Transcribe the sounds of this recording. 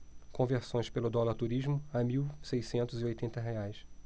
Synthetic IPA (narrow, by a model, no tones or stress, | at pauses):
kõveɾsõj̃ʃpelʊd̪ɔlaɾt̪uɾiʒmʊamiwsejsẽnt̪ʊziojt̪ẽnt̪ɐɦeajs